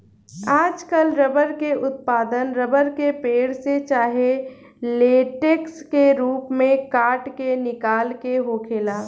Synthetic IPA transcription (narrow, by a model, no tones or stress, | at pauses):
aːd͡ʒkəlɾəbəɾkeʔʊt̪̚paːd̪ənɾəbəɾkepeːɽset͡ʃaːɦe | leːʈekskeɾuːpmẽkaːʈkenɪkaːlkeɦoːkʰeːlaː